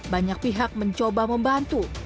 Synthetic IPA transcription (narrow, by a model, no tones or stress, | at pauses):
baɲak̚piɦak̚məɲt͡ʃobaməmbant̪u